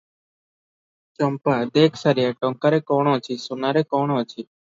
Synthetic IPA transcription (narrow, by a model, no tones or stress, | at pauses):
t͡ʃɔmpad̪eːkʰsaɾjaʈɔ̃ŋkaɾekɔːɽ̃õt͡ʃʰisonaɾekɔɽ̃õt͡ʃʰi